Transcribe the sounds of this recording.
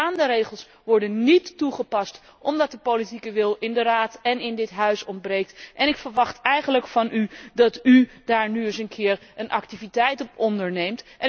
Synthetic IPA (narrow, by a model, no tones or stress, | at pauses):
aːndəɾejχəlˠs | ʋɔɹdənːitːuχəpɑst | ʔɔmdɑt̚dəpowlitikəʋɪlˠɪndəraːtɛnɪndɪtɦœɥsɔmbrejk̚tʔɛnɪkfəɹʋɑχtɛjχənləkfɑnʔydɑtydaːɹnyəs̬ənkʰɪːɹənʔɑ̰ktivitɛjtɔpɔndəɹnejmtɛ